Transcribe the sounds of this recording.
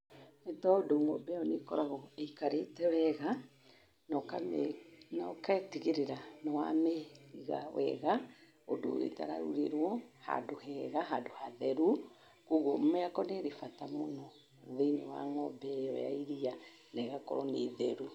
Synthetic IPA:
netɔodoŋɔbɛɔnekɔɾaɣɔeikaɾetɛwɛɣa | nɔka | nɔkaetiɣeɾeɾanɔwa̰meiɣa̰wʔɛ̰ɣa | odo̰ḛta̰ɾa̰ɾṵɾeɾwɔha̰dohɛɣaɦadohaðɛɾu | kuɣommɛakɔneɾefatamonɔ | ðenewa̰ŋɔbɛɔwɛ̰a̰iɾia | nɛɣakɔ̰ɾɔneðɛɾu

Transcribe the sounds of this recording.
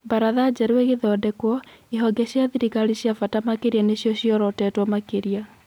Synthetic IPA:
baɾaðad͡ʑɛɾwɛɣeðɔːdɛkwɔeɦɔɡɛɕiaðiɾikaɾiɕjafatamakeɾianeɕjɔɕjiɔɾɔtɛtwɔmakeɾia

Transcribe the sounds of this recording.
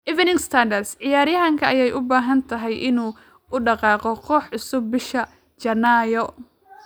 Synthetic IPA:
ʔɪvɛnɪŋst̪ʰɐndɐrsʕɪjaːɾjɐɦɐŋkʰɐʔɐjɛjʔʊbaːɦɐnt̪ʰɐɦɛjʔɪnuː | ʊɖɑqɑːqɔqʰɔːħʊsʊbːɪʃɐ | t͡ʃɐnːaːjɔ

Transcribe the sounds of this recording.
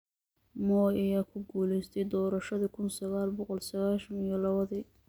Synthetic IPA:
mɔːɐjaːkʰʊɡuːlɛjst̪ʰɛjd̪ɔːɾɐʃɐðikʰʊnsɐɣaːlbɔqɔlsɐɣaːʃɐnijɔlɑβɐðiː

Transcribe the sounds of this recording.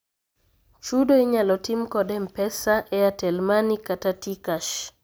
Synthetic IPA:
t͡ʃudoiɲalɔtimkɔdɛmpɛsaʔɛatɛlmanikatatikaʃ

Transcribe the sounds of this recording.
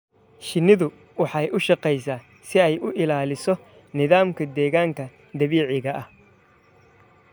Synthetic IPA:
ʃɪnɪðʊ | wɑħɑjʔʊʃɑqɛjsaː | sɪɛjʊʔɪlaːlɪsɔ | nɪðaːmkʰɐd̪ɛːɣaːŋkʰɐ | d̪ɐβiːʕɪɣɐʔɐh

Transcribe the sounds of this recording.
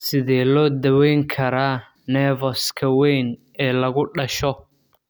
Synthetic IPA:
sɪðɛːlɔːd̪ɐwɛjŋkʰɐɾaː | nɛːvɔskʰɐwɛjn | ɛːlɐɣʊɖɐʃɔ

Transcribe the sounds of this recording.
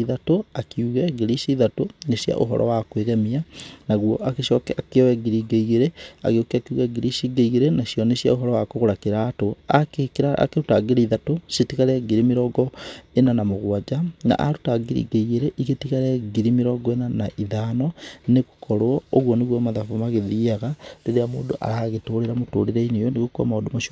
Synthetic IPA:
iðatoakiuɣɛɡeɾiʃiðatoneɕja̰ʔo̰ɦɔ̰ɾɔ̰wakweɣɛmianaɣwɔʔakeɕɔkɛakeɔwɛɡiɾiɡeiɣeɾea̰ɣeokɛakiuɣɛɡiɾiʃiɡeiɣeɾenaɕiɔneɕjaoɦɔɾɔwakoɣoɾakeɾatoakekɾaa̰keɾutaɡeɾeiðatoʃetiɣaɾɛɡiɾimeɾɔɡɔenanamoɣwad͡ʒana̰ʔa̰ɾutaɡiɾḭɡeiɣeɾeʔiɣetiɣaɾɛɡiɾimeɾɔɡɔenanaʔiðaːnɔneɣo̥kʰɔɾwɔoɣwɔneɣwɔmaðafomaɣeðiːaɣadeɾejamo̰ːndoʔa̰ɾaɣetoɾeɾamoto̰ɾeɾɛinejɔneɣokua̰maodomaʃ

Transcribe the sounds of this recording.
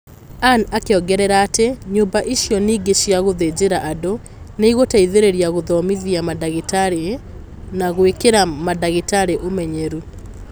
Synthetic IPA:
anakeɔɡɛɾɛɾaːteɲombaʔiʃjɔniːɡeʃjaɣoðed͡ʑeɾaʔado | neiɣotaiðeɾeɾiaɣoðɔmiðiamadaɣetaɾe | naɣwekeɾamadaɣetaɾeʔomɛɲɛɾu

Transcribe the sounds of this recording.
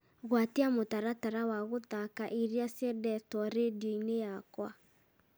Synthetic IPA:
ɣwatiamotaɾataɾawaɣoðakaʔiɾiasjɛdɛtɔɾediɔinejakwa

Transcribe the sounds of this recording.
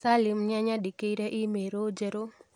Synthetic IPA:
salimɲaɲaɗikejɾɛʔimeɾod͡ʒeɾo

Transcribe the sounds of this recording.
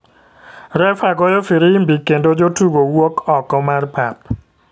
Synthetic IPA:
rɛfaɡɔjɔfiɾiimbikːendod͡ʒotuɡowokɔkːɔmarpʰap

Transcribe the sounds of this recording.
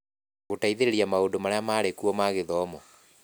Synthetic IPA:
ɣotaiðeɾeɾiamaodomaɾajamaːɾekuɔmaɣeðɔːmɔ

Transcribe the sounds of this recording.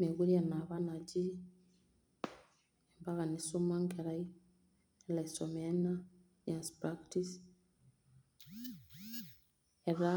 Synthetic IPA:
meɣuɾianaβanad͡ʒi | embaɣanisumaŋɡɛɾai | elaisɔmɛna | ɲanspɾaktis | ɛɾa

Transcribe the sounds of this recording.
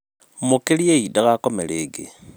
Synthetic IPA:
mukelieidaɣakomeleːɡḛ

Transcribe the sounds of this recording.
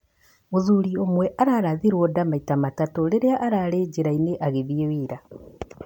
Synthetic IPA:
ozuɾiomwɛʔaɾaːɾaðiɾwɔdamaitamatatoɾeɾeaʔaɾaɾeɟiɾaineʔaɣeβiewiːɾa

